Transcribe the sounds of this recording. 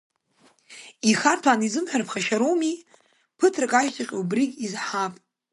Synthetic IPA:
iχartʰanizɨmħʷᶣarpʰχaʃaɾowmi | pʰɨtʰrɨkʼaʒtʼaqʲʼubrikʲʼizħapʼ

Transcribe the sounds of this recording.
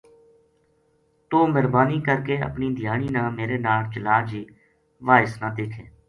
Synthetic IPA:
t̪oːməɾbaːniːkəɾkeːə̰pniːd̪ʱɪjaːɳ̃iːnãːmeːɾeːnaːlt͡ʃəlaːd͡ʒiː | ʋaːɪsnãːd̪eːkʰẽː

